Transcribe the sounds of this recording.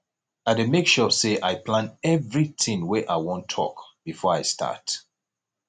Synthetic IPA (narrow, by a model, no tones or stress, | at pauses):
ademekʃɔseʔaɪplãnɛvɹiθĩŋwɛʔaɪwɔ̃ntʰɔ̰kb̥ifɔɹaɪstʰa̰t